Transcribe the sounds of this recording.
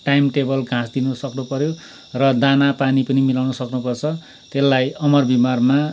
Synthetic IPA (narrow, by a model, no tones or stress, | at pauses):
ʈajmʈebʌlɡʱãsd̪inʌsʌknupʌɾjo | rʌd̪anapanipʌnimilawnʌsʌknupʌrt͡sʰʌ | t̪elːajʌmʌrbimarma